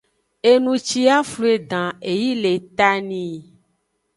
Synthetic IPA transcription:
e˨nũ˨t͡ʃi˦a˦flu˦e˦˨d̪ã˨e˨ji˦le˨t̪a˦nĩ˨

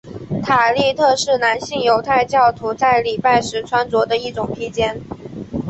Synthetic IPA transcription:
t̪ʰa˨˩li˥˧t̪ʰɤ˥˧ʂɻ̩˥˩na˧˥nɕi˥˩ŋjo˧˥ʊt̪ʰa˥˧ɪt͡ɕjɑ˥˩ʊt̪ʰu˧˥t͡sa˥˩ɪli˨˩pa˥˩ɪʂɻ̩˧˥ʈ͡ʂʰwa˥nt͡swɔ˧˥d̪ə˧i˥˩ʈ͡ʂʊ˨˩ŋpʰi˥t͡ɕjɛ˥n

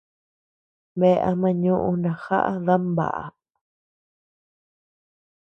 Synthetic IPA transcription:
βe˧ʔa̰˧mã˧ɲũ˦ʔũ˧nã˨xa̰˦ʔa̰˦ða˦mba̰˨ʔa̰˨

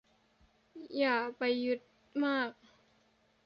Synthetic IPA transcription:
jaː˨˩kpa˨jːu˧˥t̪̚ | maː˥˩k̚

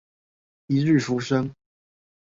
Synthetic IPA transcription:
i˧˥ɻ̩˥˨fu˧˥ʂə˥ŋ

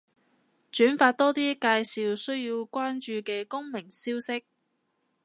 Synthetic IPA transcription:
t͡ʃyː˨˥nfaː˧t̚t̪ɔː˥t̪iː˥kaː˧jsiː˨˧wsɵ˥ɥjiː˧wkʷaː˥nt͡ʃyː˧kɛː˧kʊ˥ŋmɪ˨˩ŋsiː˥wsɪ˥k̚

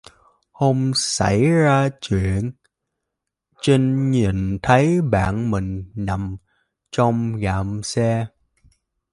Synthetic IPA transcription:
ho˧msa˧˩jzaː˧t͡ɕwi˧˨ən | t͡ɕi˧ŋɲi˨˩nt̪ʰə˨˦jɓa̰ː˧˨nmï˨˩ŋ̟na˨˩˨m | t͡ɕɔ˧wŋ͡mɣaː˧˩msɛ˧

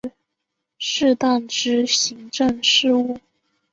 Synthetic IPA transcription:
ʂɻ̩˥˧t̪a˥˩nʈ͡ʂɻ̩˥ɕi˧˥ŋʈ͡ʂə˥˧ŋʂɻ̩˥˧u˥˩

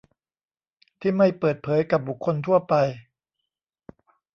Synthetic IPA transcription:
t̪ʰiː˥˩ma˥˩jpɤː˨˩t̪̚pʰɤː˩˨˦jka˨˩p̚bu˨˩kʰːo˧nt̪ʰu˥˩ɐpa˧j

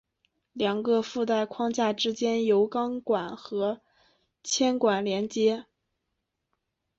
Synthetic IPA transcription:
ljɑ˨˩ŋɡə˧fu˥˧t̪a˥˩ɪkʰwɑ˥˧ŋt͡ɕja˥˩ʈ͡ʂɻ̩˥t͡ɕjɛ˥njo˧˥ʊkɑ˥ŋkwa˨˩˦nxɤ˧˥ | t͡ɕʰjɛ˥nkwa˨˩nljɛ˧˥nt͡ɕjɛ˥

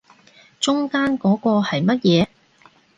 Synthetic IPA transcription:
t͡ʃʊ˥ŋkaː˥nkɔː˨˥kɔː˧hɐ˨jmɐ˥t̚jɛː˨˦

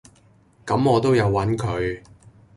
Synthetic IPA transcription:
kɐ˨˧mɔː˨˧t̪o˥wjɐ˨˧wːɐ˨˥nkʰɵ˨˧ɥ

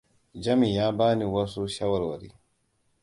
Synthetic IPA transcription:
d͡ʒa˦mi˨jaː˦baː˦ni˨wa˦su˦ʃa˦wa˨ɾwa˨ɾḭ

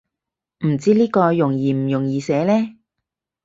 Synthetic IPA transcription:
m̩˨˩t͡siː˦˥liː˥kɔː˧jʊ˨˩ŋjiː˨m̩˨˩jʊ˨˩ŋjiː˨˧sɛː˨˥lɛː˥

